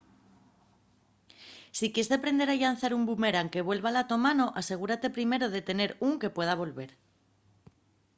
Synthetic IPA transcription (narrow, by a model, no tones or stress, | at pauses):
sikjesðepɾe̞nd̪e̞ɾaʎanθaɾumbume̞ɾaŋke̞βwe̞lβalat̪o̞mano̞ʔase̞ɣ̞uɾat̪e̞pɾime̞ɾoð̞e̞t̪e̞ne̞ɾuŋke̞pwe̞ð̞aβ̞o̞lβe̞ɾ